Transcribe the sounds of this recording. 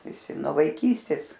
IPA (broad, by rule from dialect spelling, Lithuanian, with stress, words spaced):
ʋʲɪˈsʲɪ nuɔ ʋɐɪˈkʲiːsʲtʲeːs